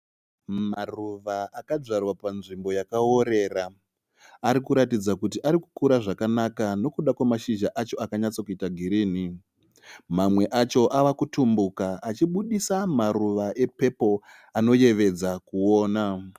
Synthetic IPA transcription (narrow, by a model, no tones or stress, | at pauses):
maruʋaakad͡ʐarwapanʐimbo̞jakao̞ɾe̞ːra | aɾikuɾatid͡zakut̬iʔaɾiku̥kuɾaʐakanakano̞kuɗakwamaʃiʒaʔat͡ʃo̞akaɲat͡sokuitaɡʱiɾiːni | mamwe̞ʔat͡ʃo̞ʔaʋakutumbukaːt͡ʃiɓuɗisamaɾuʋaʔe̞pe̞po̞ | ano̞je̞ʋe̞d͡zakuo̞ːna